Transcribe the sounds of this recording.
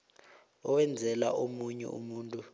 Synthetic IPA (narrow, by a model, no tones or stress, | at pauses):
ɔwɛnd͡zʱɛla̰ʔomuɲɛ̰ʔṵmuːntʼu